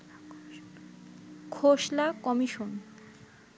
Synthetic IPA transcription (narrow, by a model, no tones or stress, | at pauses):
kʰoʃlakɔmiʃon